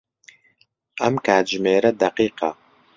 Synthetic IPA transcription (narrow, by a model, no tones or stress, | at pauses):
ʔɐmkʰaːd͡ʒmeːɾɐd̪ɐqiːqɑ̰